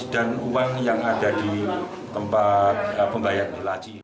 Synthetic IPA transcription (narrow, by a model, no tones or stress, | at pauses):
d̥anuwaŋjaŋadadi | t̪əmpat̪̚əpəŋbajanlat͡ʃi